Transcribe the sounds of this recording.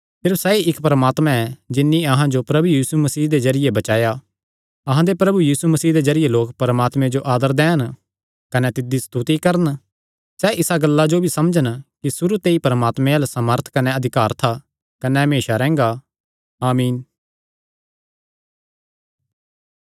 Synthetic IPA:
sɪɾfsɛːiʔɪkpɾəmaːt̪mãɛd͡ʒɪnːĩɐɦãd͡ʒopɾɐbujiːsumɐsiːɦd̪ezɐɾɪjebɐt͡ʃaːja | ɐɦãd̪epɾɐbujiːsumɐsiːɦd̪ezɐɾɪjeloːkpɐɾəmaːt̪mẽd͡ʒoʔaːd̪əɾd̪ɛːən | kɐnɛt̪ɪd̪ːist̪ut̪ikɐɾən | sɛʔɪsaɡɐlːad͡ʒobʱisɐmd͡ʒənkisʊɾut̪eːipɐɾəmaːt̪mẽɐlsɐməɾt̪ʰkɐneɐd̪ʱɪkaːɾt̪ʰa | kɐnɛɦmeːʃaɾɛ̃ːŋ̆ɡa | aːmiːn

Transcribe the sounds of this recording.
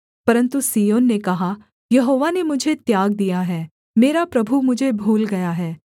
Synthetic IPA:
pɐɾə̃nt̪usiːoːnːekɐɦa | jɐɦoːʋanemʊd͡ʒʱet̪jaːɡ̚d̪ijaɦɛː | meːɾapɾɐbʱumʊd͡ʒʱebʱuːlɡɐjaɦɛː

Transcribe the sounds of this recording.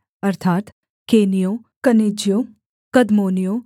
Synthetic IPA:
ɐɾt̪ʰaːt̪ | keːnijo | kɐneːd͡ʒjo | kɐd̪moːnijoː

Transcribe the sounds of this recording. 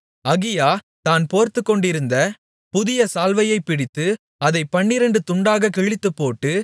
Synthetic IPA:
ɐɣɪjaː | t̪aːnpoːɾt̪ɯkːɔɳɖɪɾɯnd̪ɐ | pʊðɪjɐsaːlʋɐjɐɪpːɪɽɪt̪ːɯ | ɐðɐɪpːɐɳːɪɾɐɳɖɯt̪ʊɳɖaːɣɐkɛɻɪt̪ːɯpːoːʈːɯ

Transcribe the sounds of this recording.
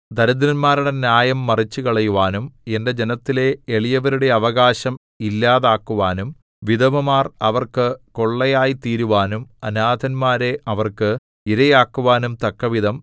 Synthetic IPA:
d̪ʱɐɾɐd̪iɾɐnmaːɾuɽe̞njaːjɐmːɐrit͡ɕːukɐɭɐjuʋaːnume̞nde̞d͡ʑenɐt̪ːile̞eɭijɐʋɐɾuɽe̞ɐʋɐɣaːɕɐm | ilːaːðaːkːuʋaːnum | ʋid̪ɐmɐmaːrɐʋɐrkɨko̞ɭːɐjaːjit̪iːɾuʋaːnumɐnaːd̪ʱɐnmaːɾe̞ʔɐʋɐrkɨ | iɾɐjaːkːuʋaːnumt̪ɐkːɐʋiðʱɐm

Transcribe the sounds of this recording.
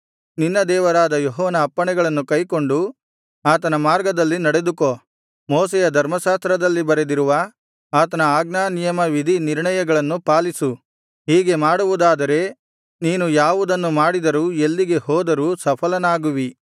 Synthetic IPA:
ninːɐd̪ɛːʋɐɾaːd̪ɐjoɦɔːnɐːpːɐɳɛɡɐɭɐnːukɐjko̞ɳɖu | aːt̪̬ɐnɐmaːɾɡɐd̪ɐlːinɐɽe̞d̪uko | moːs̬ɛjɐd̪ʱɐɾmɐʃaːst̪ɾɐd̪ɐlːibɐɾe̞d̪iɾuʋɐ | aːt̪ɐnɐaːɡnaːnijɐmɐʋid̪ʱiniɾɳɐjɐɡɐɭɐnːupaːlisu | ɦiːɡe̞maːɽuʋud̪aːd̪ɐɾe̞ | niːnujaːʋud̪ɐnːumaːɽid̪ɐɾuːe̞lːiɡe̞ɦɔːd̪ɐɾuːsɐpʰɐlɐnaːɡuʋi

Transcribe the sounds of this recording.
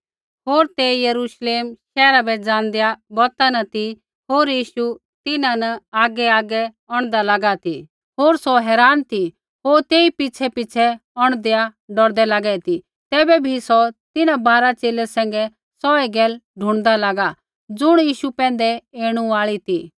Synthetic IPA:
ɦoːɾt̪ejɐɾuʃleːmʃɛːɾabɛd͡zãːnd̪jabɔt̪anɐt̪i | ɦoːɾjiːʃu | t̪ɪnãnɐaːɡɛaːɡɛ | ɔɽ̃d̪alɐɡat̪ʰi | ɦoːɾsɔɦɛːɾaːnt̪ʰi | ɦoːɾt̪eːipɪt͡ʃʰɛpɪt͡ʃʰɛɔɽ̃d̪ejaɖɔɽd̪ɛlaɡɛɛt̪i | t̪ɛːbɛbʱisɔt̪ɪnãbaːɾat͡ʃeːlɛsɛ̃ːŋ̆ɡɛ | sɔɛɡɛːlɖʱʊ̃ɽ̃d̪alaɡa | d͡zʊɽ̃jiːʃupɛ̃ːnd̪ɛeːɽ̃ũaːɭit̪ʰi

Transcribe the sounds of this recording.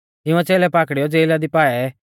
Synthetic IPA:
ɪ̃ũãt͡seːlɛpaːkɽijɔd͡zeːlad̪ipaːɛ

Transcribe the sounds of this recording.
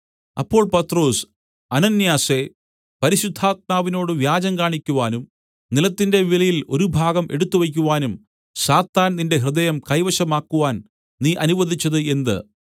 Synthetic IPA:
ɐ̰pːo̞ːɭpɐt̪ːro̞ːs | ɐnɐnjaːse̞ | pɐɾiɕud̪ʱːaːt̪̚maːʋino̞ːɽɨʋjaːd͡ʑɐmkaːɳikʲːuʋaːnum | nilɐt̪ːinde̞ʋilɐjilo̞ɾubʱaːɡɐmʔe̞̰ɽut̪ːuʋɐk̬ʲːuʋaːnum | ɕaːt̪ːaːnninde̞ɦrɨd̪ɐjɐmkɐjʋɐɕɐmaːkːuʋaːn | niːʔɐnuʋɐd̪ʱit͡ɕːɐðɨe̞nd̪ɨ̰

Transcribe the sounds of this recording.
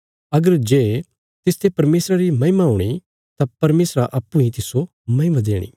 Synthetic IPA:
ɐɡəɾd͡ʒeː | t̪ɪst̪ʰepɐɾmeːsɾaɾimɐ̃ɦɪmaɦuɽ̃i | t̪apɐɾmeːsɾaʔɐpːʊ̃ĩt̪ɪso | mɐ̃ɦɪmad̪eːɽ̃ḭ

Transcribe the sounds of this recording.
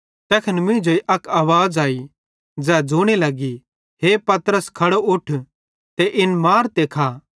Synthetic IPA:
t̪ɛːkʰɐnmɪ̃d͡ʒoiʔɐkaːʋaːd͡zaːi | d͡ʒɛːd͡ʒuːɽ̃elɐɡi | ɦepɐt̪əɾəskʰɐɽoʊʈʰ | t̪eʔɪnmaːɾt̪ekʰaː

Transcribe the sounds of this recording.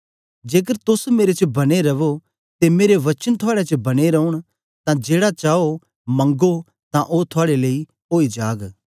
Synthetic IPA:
d͡ʒeːk̬əɾt̪ʊsmeːɾet͡ʃbɐɽ̃eɾɐʋo | t̪emeːɾeʋɐt͡ʃənt̪ʰʊaːɽet͡ʃbɐɽ̃eɾɐʊɽ̃ | t̪ãd͡ʒeːɽat͡ʃaːo | mɐ̃ŋɡo | t̪ãʔot̪ʰʊaːɽeleːi | oːid͡ʒaːɡ

